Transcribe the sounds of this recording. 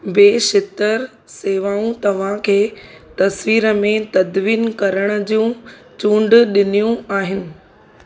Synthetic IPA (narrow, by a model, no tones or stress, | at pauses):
beːʃɪt̪əɾ | seːʋaːũt̪ɐʋ̤ãkʰeː | t̪ɐsʋiːɾəmẽt̪ɐd̪ʋiːnkɐɾəɽ̃ə̆d͡ʑjũ | t͡ɕũːɳɖɗɪnijũaːɦɪnɪ̆